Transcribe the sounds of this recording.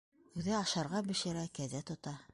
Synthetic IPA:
ʉðɘɑʃɑɾʁɑbɘ̆ʃɘ̆ɾækæðæt̪ŏt̪ɑ

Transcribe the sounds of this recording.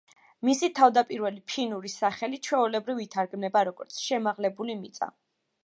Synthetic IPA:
misit̪ʰavd̪apʼiɾvɛlipʰinuɾisaχɛlit͡ʃʰwɛulɛbɾivit̪ʰaɾɡmnɛbaɾɔɡɔɾt̪sʰʃɛmaʁlɛbulimit̪sʼa̰

